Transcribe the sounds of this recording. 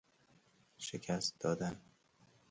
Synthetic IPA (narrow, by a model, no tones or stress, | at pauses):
ʃecʰæs̚d̪ɒːd̪æn